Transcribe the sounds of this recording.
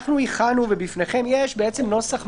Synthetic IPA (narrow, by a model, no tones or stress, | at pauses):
χnuiχanuve̞bifne̞χe̞mje̞ʃbee̞t͡se̞mno̞saχ